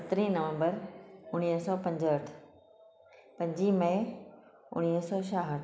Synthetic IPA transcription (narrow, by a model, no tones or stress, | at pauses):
sɐt̪ɾĩnɐʋə̃mbəɾʊɽ̃iːɦsɔːpɐ̃ɲd͡ʑəʈʰ | pɐ̃ɲd͡ʑimɐɪ | ʊ̰ɽ̃iːɦsɔʃaːɦəʈʰ